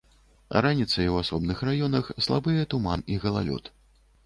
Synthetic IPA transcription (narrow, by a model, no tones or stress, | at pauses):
ranʲit̪sɐjwasɔbnɨxrajɔnɐxslˠa̰bɨjɛt̪umaniɣɐlˠa̰lʲɔ̰t̪